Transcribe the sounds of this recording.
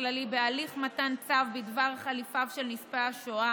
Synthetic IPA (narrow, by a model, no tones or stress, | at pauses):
lalibealiχmatant͡savbid̪vaʁχalifavʃelnispeaʃoa